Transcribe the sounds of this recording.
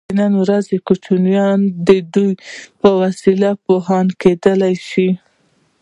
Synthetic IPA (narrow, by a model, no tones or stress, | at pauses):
nanwɾazekut͡ʃunjɑnd̪əd̪ujpəwasilapoɦɑnked̪əlajʃi